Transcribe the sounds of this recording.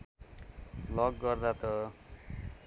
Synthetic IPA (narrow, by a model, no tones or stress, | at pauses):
lʌɡːʌrd̪at̪ʌ